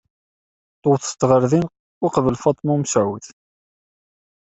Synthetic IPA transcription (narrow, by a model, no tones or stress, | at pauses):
t̪ˤːowθst̪ːʁəɾðin | ʊqvəlfɑt̪ˤmumsʕuθ